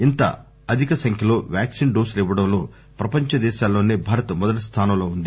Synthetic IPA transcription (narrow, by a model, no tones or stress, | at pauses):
int̪ɐ̰ | ɐd̪ʱikɐsɐŋkʰjɐlo̞ːʋjaːksinɖoːslɛʋɐɽɐmloː | pɾɐpɐɲt͡ʃɐd̪ɛːʃaːlːo̞ːneːbʱaːɾɐt̪ɐmɔd̪ɐʈist̪ʰaːnɐmlo̞ːund̪i